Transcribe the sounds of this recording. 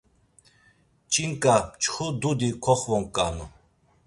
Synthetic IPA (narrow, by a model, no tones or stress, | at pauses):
t͡ʃʼiŋkʼat͡ʃχud̪ud̪ikʰɔχvɔŋkʼa̰nu